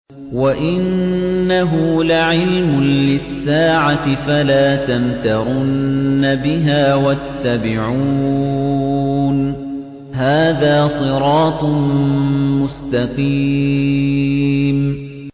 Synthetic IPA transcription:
waʔɪnːaɦʊlaʕɪlmʊnlɪsːaːʕat̪ɪfalaːt̪amt̪aɾʊnːabɪɦaːwat̪ːabɪʕu | n | haːðaːsˤɨɾɑːt̪ˤ | mʊst̪ɑqiː | m

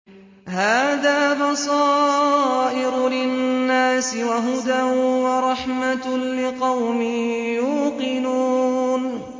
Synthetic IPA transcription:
haːðaːbɑsˤɑː | ʔɪɾlɪnːaːsɪwaɦʊd̪awɑɾˤɑħmalɪqɑwmɪjuːqɪnuːn

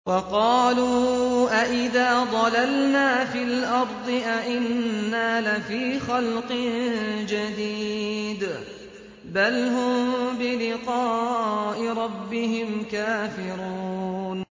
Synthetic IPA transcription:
wɑqɑːluːʔaʔɪðaːd̪ˤɑlalnaːfɪlʔɑɾˤd̪ˤɨʔaʔɪnnːaːlafiːxalqɨnd͡ʒad̪iːd̪ | balɦʊmbɪlɪqɑːʔɪɾˤɑbːɪɦɪmkaːfɪɾun

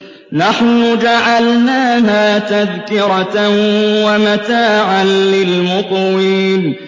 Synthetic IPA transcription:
naħnʊd͡ʒaʕalnaːɦaːt̪aðkɪɾɑ | wamat̪aːʕanlɪlmʊqwiːn

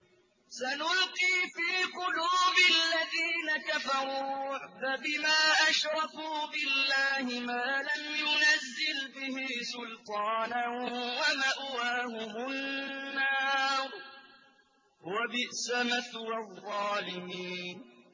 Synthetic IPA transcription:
sanʊlqiːfiːqʊluːbɪlːaðiːnakafɑɾˤuːfabɪmaːʔaʃɾˤɑfuːbɪlːaːhɪmaːlamjʊnazːɪlbɪhisʊlt̪ˤɑːnanwamaʔwaːhʊhʊnːaː | wabɪʔsamaθwɑðˤːɑːlɪmiːnn

